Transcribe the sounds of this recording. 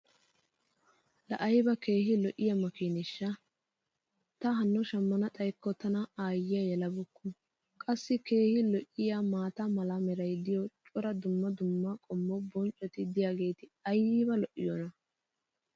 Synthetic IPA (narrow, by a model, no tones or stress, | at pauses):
lɐ̰ʔɐjbɐke̞ːhɪlɔʔɪjɐmɐkinɪʃːɐ | t̪ɐɦɐnːʊʃɐmːɐnɐtʼɐjkːɔt̪ɐnɐaːjːɪjɐjɛlɐbʊkːʊ | kʼɐsːɪke̞ːhɪlɔʔɪjamaːt̪ɐmɐlɐmɛɾɐjd̪ɪjɔt͡ʃʼɔɾɐd̪ʊmːɐd̪ʊmːɐkʼɔmːɔbɔnt͡ʃʼɔt̪ɪd̪ɪjaːɡe̞ːt̪ɪɐjibɐlɔʔːɪjɔnɐ